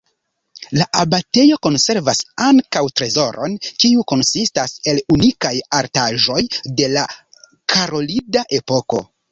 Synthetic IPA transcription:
laʔabate̞jo̞ko̞nse̞ɾvasaŋkawtɾe̞zo̞ɾʔo̞̰nkiuko̞nsistase̞lunikajaɾtaʒo̞jde̞la | kʰaɾo̞lidaʔe̞po̞ko̞̰

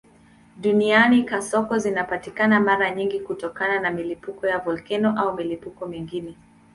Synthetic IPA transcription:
ɗunianikasɔkɔzinapatikanamaɾaɲiŋɡikutɔkananamilipukɔjavɔlkɛnɔʔaumilipukɔmiŋɡinɛ

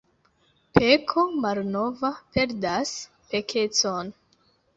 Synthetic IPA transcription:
pekʰomalno̞vape̞ɾdas | pe̞kʰe̞t͡so̞n

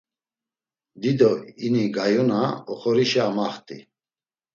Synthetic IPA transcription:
d̪id̪ɔiniɡajɔnaɔχɔɾiʃɛamaχt̪ʼḭ

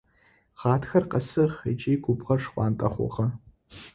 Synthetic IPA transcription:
ʁaːtʰxɐrqɐsɨʁɐjt͡ʃʼijɡʷʊbʁɐrʂχʷʼɑːntʼɐχʷɔ̰ʁɐ

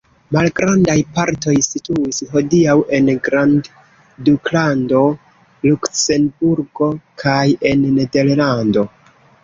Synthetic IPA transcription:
malɡɾandajpaɾto̞jsituisɦo̞diawʔe̞nɡɾand | duklando̞ | lukse̞nbuɾɡo̞kʰaje̞nːe̞de̞ɾlando̞

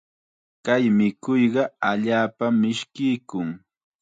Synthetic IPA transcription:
kajmɪkʊjɢɑaʎaːpamɪʃkɪjkʊŋ

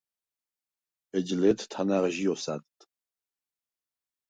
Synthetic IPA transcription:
ɛd͡ʒlɛt̪ʰt̪ʰanaʁʒijɔsad̪t̪ʼ

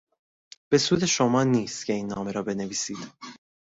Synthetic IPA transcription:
b̥e̞suːd̪e̞ʃomɒːniːst̪cʰe̞iːnːɒːme̞ɾɒːbe̞neviːsiːd̪̥

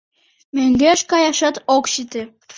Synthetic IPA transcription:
meŋɡeʃkɑjɑʃɑt̪okʃit̪e

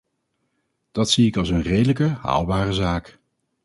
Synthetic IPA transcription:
d̥ɑtsiɪkɑlˠs̬ənrejdələkəɦa̰ːlˠbaːrəzaːk

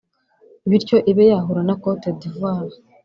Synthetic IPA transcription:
βiɾco̞ʔiβejaɦuɾanakotedivaːɾa

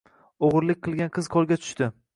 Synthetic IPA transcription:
oʁɾlɪk̚ʲqʰɨlˠɡʲanqʰɨz̥qʰɒlˠɡʲat̪ʰʊ̥ʃt̪ɪ

